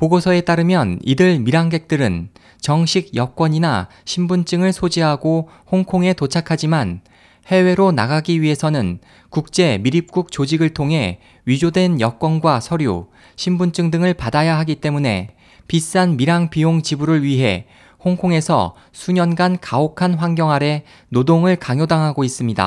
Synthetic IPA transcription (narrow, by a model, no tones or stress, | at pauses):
poɡosʰʌe̞t͈aɾɯmjʌnidɯɭmiɾaŋɡek̚t͈ɯɾɯn | t͡ɕʌŋɕʰiɡjʌk͈wʌɲina̰ | ɕʰimbunt͡ɕ͈ɯŋɯɭsʰod͡ʑiɦaɡo | hoŋkʰoŋe̞tot͡ɕʰakʰad͡ʑiman | he̞we̞ɾona̰ɡaɡiɥiɦe̞sʰʌnɯn | kuk̚t͡ɕ͈e̞miɾip̚k͈uk̚t͡ɕ͈od͡ʑiɡɯɭtʰoŋɦe̞̰ | ɥid͡ʑodwe̞njʌk͈wʌnɡwasʰʌɾjṵ | ɕʰimbunt͡ɕ͈ɯŋdɯŋɯɭpadajaɦaɡit͈e̞mune̞̰ | pis͈anmiɾaŋpioŋt͡ɕibuɾɯɭɥiɦe̞̰ | hoŋkʰoŋe̞sʰʌ̰ | sʰuɲʌnɡankaokʰanɸwaŋɡjʌŋɦaɾe̞ | nodoŋɯɭkaŋjodaŋɦaɡois͈ɯmɲida̰